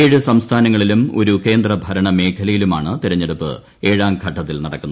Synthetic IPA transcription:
eːɻɨsɐmst̪ʰaːnɐŋːɐɭilumo̞̰ɾuke̞ːnd̪rɐbʱɐɾɐɳɐme̞ːkʰɐlɐjilumaːɳɨt̪iɾɐɲːe̞ɽupːɨ̰ | e̞ːɻaːmɡʱɐʈːɐt̪ːilnɐɽɐkːunː

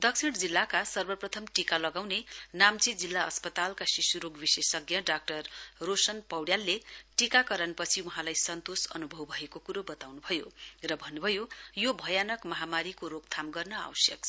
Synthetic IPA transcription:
d̪ʌksʰiɽd͡zilːakasʌrbʌprʌt̪ʰʌmʈikalʌɡawnenamt͡sid͡zilːaʌ̰spʌt̪alkasisuɾoɡbisesʌɡjʌɖak̚ʈʌrːosʌnpʌwɽjalːeʈikakʌɾʌnpʌt͡sʰiuɦãlajsʌnt̪osʌ̰nubʱʌwbʱʌekokuɾobʌt̪awnubʱʌjorʌbʱʌnːubʱʌjojobʱʌjanʌkmʌɦamaɾikoɾoɡ̚t̪ʰamɡʌrnʌa̰wʌsjʌk̚ʰ

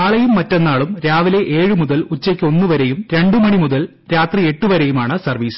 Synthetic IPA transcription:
aːɭɐjumːɐtːenːaːɭumɾaːʋile̞ʔeːɻɨmuðɐlut͡ɕːɐkʲːo̞nːɨʋɐɾejumɾe̞ɳɖɨmɐɳimuðɐl | ɾaːt̪rie̞ʈːuʋɐɾejumaːɳɨsɐrʋiːs

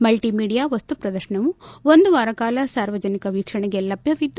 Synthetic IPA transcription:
mɐlʈiːmiːɽijaːʋɐst̪upɾɐd̪ɐɾʃɐɳɐʋuond̪uʋaːɾɐkaːlɐsaːɾʋɐd͡ʒɐnikɐʋiːkʂɐɳɛɡelɐbʱjɐʋid̪ː

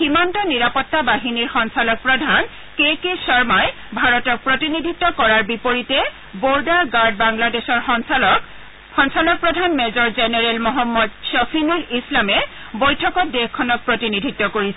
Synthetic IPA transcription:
ximantɔniɹapɔtːabaɦiniɹxɔnsalɔk̚pɹɔdʱan | kekesɔɹmaj | bʱaɹɔtɔk̚pɹotinidʱitːɔkɔɹaɹbipoɹitɛ | boɹdaɹɡaɹd̚baŋladexɔɹ | xɔnsalɔk̚pɹɔdʱanmɛzɔɹzenɛɹɛlmɔɦɔmːɔdsɔfʰinulislamɛ | bojtʰɔkɔt̚dexkʰːɔnɔk̚pɹotinidʱitːɔkoɹisɛ

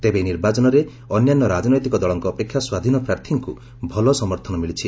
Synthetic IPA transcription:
t̪ebeniɾbat͡ʃɔnɔɾe | ɔnjanːɔɾad͡ʒɔnɔjt̪ikɔd̪ɔɭɔŋkɔːpekʰːjaswad̪ʱinɔpɾaɾt̪ʰiŋku | bʱɔlɔsɔmɔɾt̪ʰɔnɔmilit͡ʃʰi

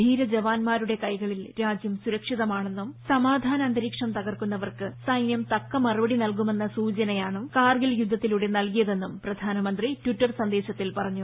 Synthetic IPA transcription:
bʱiːɾɐd͡ʑɐʋaːnmaːɾuɽe̞kɐjɣɐɭilɾaːd͡ʑjɐmsuɾɐkʂiðɐmaːɳe̞nːumsɐmaːd̪ʱaːnɐːnd̪ɐɾiːkʂɐmt̪ɐɣɐrkunːɐʋɐrkɨsɐjnjɐmt̪ɐkːɐmɐrubɐɽinɐlk̬ume̞nːɐsuːt͡ɕɐnɐjaːɳɨmkaːrɡiljud̪ʱːɐt̪ːiluɽe̞nɐlkijɐðe̞nːumprɐd̪ʱaːnɐmɐnd̪ritwiʈːɐrsɐnd̪e̞ːɕɐt̪ːilpɐrɐɲːu

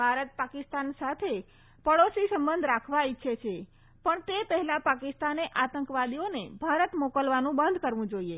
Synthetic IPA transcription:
bʱaɾət̪̚pakist̪ansat̪ʰe | pəɽosisəmbənd̪ʱɾakʰʋaitːʃʰet͡ʃʰe | pəɳt̪epəɦɛlapakɪst̪aneʔat̪əŋkʋad̪ionebʱaɾət̪mokəlʋanũbənd̪ʱkəɾʋũd͡ʒoie

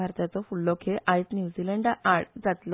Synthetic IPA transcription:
aɾt̪at͡sɔfulːɔkʰeʔait͡snjuːd͡zilɛɳɖaɽd͡zat̪lɔ

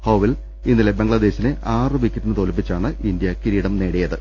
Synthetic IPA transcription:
hɐwʋil | inːilebeŋɡɭɐd̪e̞ːɕinɨʔaːrɨʋikʲːɐʈːinɨt̪oːlipːit͡ɕːaːɳɨʔind̪jɐkiɾiːɽɐmne̞ːɽejɐðɨ

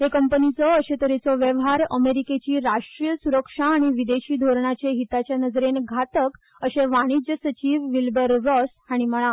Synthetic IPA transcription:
ɦekəmpənit͡sɔəɕet̪əɾet͡sɔʋjeʋɦaɾəmeɾiket͡ɕiːɾaʂʈɾijəsuɾəkʂaːɽ̃iʋid̪eɕiːd̪ʱoɾɳat͡ɕeɦit̪at͡ɕjanəd͡zɾenɡʱat̪ək | əɕeʋaɽ̃id͡ʑjəsət͡ɕiːʋʋilbəɾːɔs | aɽ̃iməɭ̃a

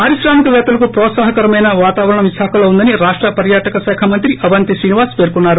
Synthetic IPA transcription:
aːɾiʃɾaːmikɐʋɛːt̪ulɐkupɾɔːt̪saːɦɐkɐɾɐmɐjnɐʋaːt̪aːʋɐɾɐɳɐʋiʃaːkʰɐloːund̪ɐniɾaːʂʈɾɐpɐɾjaːʈɐkɐsɛːkʰɐmɐnt̪ɾiʔɐʋɐnt̪isɾiːniʋaːɾspe̞ːɾkunːaːɾu

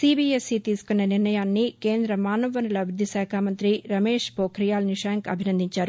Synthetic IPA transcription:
siːbiesit̪iːsu̥kunːɐniɾnɐjaːnːikeːnd̪ɾɐmaːnɐʋɐnɐlɐbɾud̪ʱːisaːkʰaːmɐnt̪ɾiɾɐme̞ːʂpoːkʰɾijaːlniʂɐːŋkɐ̰bʱinɐnd̪iɲt͡ʃaːɾu

